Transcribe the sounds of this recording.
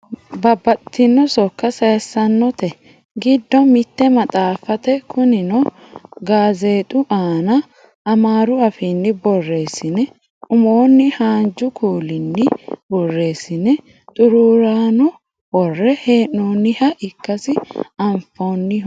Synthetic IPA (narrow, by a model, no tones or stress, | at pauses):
bɐbːɐt̪ːɪnːɔsɔkːɐsɐsːɐnːɔt̪ɛ | ɡɪd̪ːɔmɪt̪ːɛmɐt̪ʼaːfɐt̪ɛkʰʊnɪnɔ | ɡaːze̞ːt̪ʼʊʔaːnɐ | ɐmaːɾʊɐfinːɪbɔrːe̞ːsɪnɛ | ʊmoːnːɪhaːnd͡ʒʊkʰuːlɪnːɪbɔrːe̞ːsɪnɛ | t̪ʼʊɾuːɾaːnʊ | wɔrːɛheːʔːoːnːɪhɐʔɪkːɐsɪɐmfoːnːɪ